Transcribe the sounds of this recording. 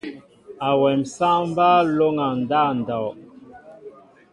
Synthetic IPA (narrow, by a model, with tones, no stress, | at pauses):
a˨wɛ˨msa˦m˦ba˦lo˦ŋa˨n˨da˦˨n̩˨dɔ˨